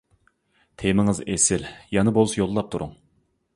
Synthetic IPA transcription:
t̪ʰemɪŋɨzesɪljɑnɨbolˠɨsjolˠːɑp̚t̪ʰuɾṵŋ

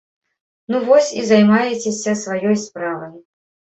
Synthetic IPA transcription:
nuvɔsʲizajmajɛt͡sʲesʲɐsvajɔjspɾavɐj

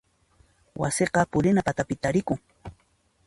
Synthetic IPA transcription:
wa̰sɪqɑpʊɾɪnapat̪apɪt̪aɾɪkʊŋ

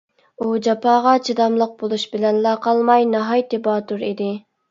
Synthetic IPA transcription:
ud͡ʒɑpʰɑːʁɑt͡ʃʰid̪ɑmlˠəq̚bolˠuʃbɪlɛnlɑqɑlˠmɑjnɑɦɑjt̪ʰebɑːt̪ʰuɾid̪ɪ

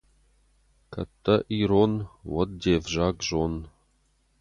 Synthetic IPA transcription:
kʰɐ̰t̪ʰːɐʔiɾonwɔd̪̚d̪eːvʒaɡʒon

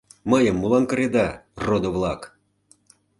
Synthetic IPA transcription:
məjəmːulɑnkə̆ɾed̪ɑrod̪oβlˠɑk

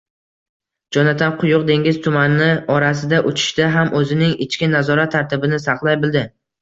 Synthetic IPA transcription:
d͡ʒɒnat̪ʰanqʰʊjʊq̚d̪e̞ŋɡʲɪzt̪ʰʊmanɪnɪɒɾas̬ɪd̪aʔʊt͡ʃʰɪ̥ʃt̪aɦamʔɵzɪnɪŋɪt͡ʃkʲɪnazɒɾat̪ʰːaɾt̪ʰɪbɪnɪsɑqlˠajbɪld̪ɪ

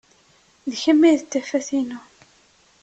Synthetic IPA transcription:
ðçəmːiðət̪ːæfæθinu

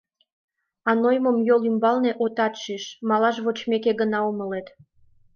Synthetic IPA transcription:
ɑnojməmjolymbɑlneʔot̪ɑt̪ʃiʃmɑlɑʒβot͡ɕmekeɣənɑoməlet̪

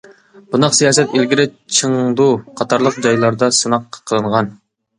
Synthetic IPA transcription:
b̥unɑqsijɑːsɛt̪ilɡʲiɾɪt͡ʃʰɨŋd̪uqʰɑt̪ʰɑɾlˠəq̚d͡ʒɑjlˠɑɾd̪ɑsɨnɑqʰːə̥qʰːəlˠɨɴʁɑn

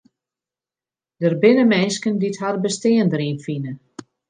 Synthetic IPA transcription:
dərbɪnəmɛːskənditɦarbəstɪəndəɾiːnfinə

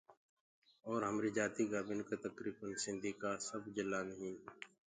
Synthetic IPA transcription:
ɔːɾɦəmɾid͡ʒaːt̪iɡaːbɪnkat̪ɐkɾiːbənsɪ̃nd̪ikasəbd͡ʒɪlːanɐɦĩː

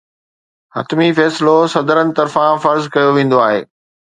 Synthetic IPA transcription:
hɐ̰t̪mifɛːsɪlosɐd̪əɾənɪ̆t̪ɐɾfãfɐɾzkɐjoʋẽːn̆d̪oaːɦḛː

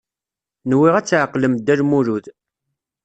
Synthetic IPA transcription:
nwiʁæt͡sːʕəqːləmd̪ːælmuɾuð

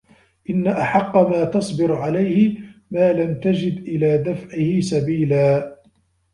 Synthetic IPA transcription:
ʔɪnːaʔaħɑqːɑmaːt̪ɑsˤbɪɾʕalajhɪmaːlamt̪ad͡ʒɪd̪ʔɪlaːd̪afʕɪhɪsabiːlaː

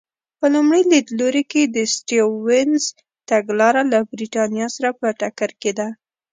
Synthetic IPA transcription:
pəlumɽilid̪loɾiked̪əsʈiwɪnz | t̪aɡlɑɾalabɾiʈɑnjɑsaɾapəʈakaɾked̪a

